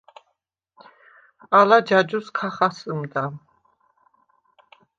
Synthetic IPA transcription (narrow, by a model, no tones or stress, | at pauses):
alad͡ʒad͡ʒuskʰaχasəmd̪a